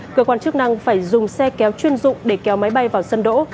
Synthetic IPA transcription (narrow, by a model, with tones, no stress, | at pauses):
kəː˧kwaː˧nt͡ɕɨ˦˥ək̚na˧ŋfaː˧˩jzʊ˨˩ŋ͡msɛ˧kɛ˨˦wt͡ɕwi˧ənzʊ̰˧˨ŋ͡mɗe˧˩kɛ˨˦wma˨˦jɓa˧jvaː˨˩wsə˧nɗo̰˧˥